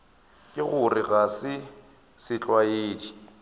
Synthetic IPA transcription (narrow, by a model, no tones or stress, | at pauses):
kʼɪɣʊrɪɣasɪ | sɪt͡ɬʼwaeːdi